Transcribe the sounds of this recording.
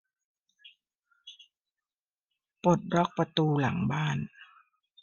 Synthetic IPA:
po˨˩t̪̚ɾɔ˦˥k̚pa˧t̪uː˧la˩˦ŋbaː˥˩n

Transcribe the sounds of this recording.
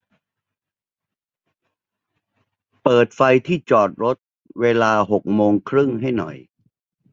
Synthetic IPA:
pɤː˨˩t̪̚fa˧jt̪ʰiː˥˩t͡ɕɔː˨˩t̪̚ɾo˦˥t̪̚ | weː˧laː˧ɦo˨˩k̚moː˧ŋkʰɾɯ˥˩ŋɦa˥˩jnɔ̰˨˩j

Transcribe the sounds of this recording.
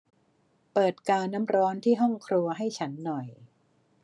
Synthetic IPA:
pɤː˨˩t̪̚kaː˧nːa˦˥mɾɔː˦˥nt̪ʰiː˥˩ɦɔ˥˩ŋkʰɾu˧ɐɦa˥˩jt͡ɕʰa˦˥nːɔ˨˩j

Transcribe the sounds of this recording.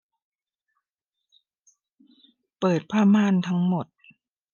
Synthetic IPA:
pɤː˨˩t̪̚pʰaː˥˩maː˥˨nt̪ʰa˦˥ŋmo˨˩t̪̚

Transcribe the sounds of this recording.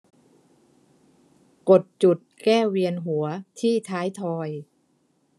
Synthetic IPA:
ko˨˩t̪̚t͡ɕu˨˩t̪̚kɛː˥˩wi˧ənɦu˩˦ɐt̪ʰiː˥˩t̪ʰaː˦˥jt̪ʰɔː˧j

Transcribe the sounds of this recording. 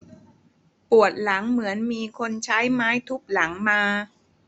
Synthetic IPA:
pu˨˩ət̪̚la˩˦ŋmɯ˩˦ənmiː˧kʰo˧nt͡ɕʰa˦˥jmaː˦˥jt̪ʰu˦˥˩p̚la˩˦ŋmaː˧

